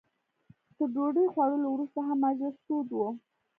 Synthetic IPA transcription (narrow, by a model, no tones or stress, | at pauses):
t̪əɖoɖəjxwaɽəlowɾust̪aɦamːazast̪od̪wo